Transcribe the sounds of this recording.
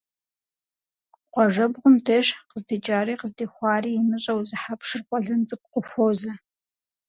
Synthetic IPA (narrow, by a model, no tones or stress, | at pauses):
qʷɔʒɐbʁʷʊmdʰeʃqəzdit͡ʃʼaːɾiːqəzdeːxʷɑːriːjɪmɨɕʼɐwzɨħapʂɨrqʷɔɮɐnt͡sʼɨp̚qʷʊxʷoːzɐ